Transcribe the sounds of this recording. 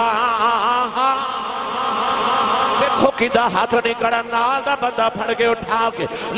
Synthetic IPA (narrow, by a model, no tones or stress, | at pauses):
aãɦãaɦã | ʋekʰokĩd̪aɦaːt̪ʰnĩkɐɽãnad̪abɐ̃nd̪apʰɐɽɡɐjoːʈʰãːkel